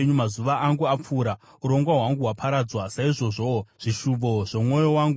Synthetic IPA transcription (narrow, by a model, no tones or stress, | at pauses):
ɲumazuʋaʔaŋɡuap͡fuːɾa | uɾo̞ŋɡwaɦwaŋɡuwapʰaɾad͡zwasaiʐo̞ʐoʐ̥iʃumboʐ̥e̞mŋo̞jo̞waŋɡu